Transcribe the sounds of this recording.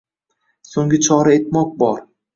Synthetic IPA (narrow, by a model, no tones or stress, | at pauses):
soŋɡʲɪt͡ʃʰɒɾaet̪mɒk̚bɒɾ